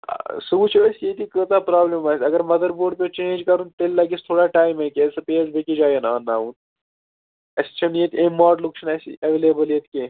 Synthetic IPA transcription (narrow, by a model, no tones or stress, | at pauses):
subut͡ʃʰɐləsjet̪ikət̪apɾaːblemaːsʲɐɡəɾmɐd̪əɾboːɖ̚pʲet͡ʃẽːnd͡ʒkɐɾũnt̪ellɐɡist̪ʰoːɽaʈaːjmɐkɐsɐpeːzbʱekid͡ʒaːjenaːnːaːuːn | ɐsi̥t͡ʃʰɐnjet̪ẽmaːɖlukʃʰnɐsḭʔɐʋeːleːbəlet̪ke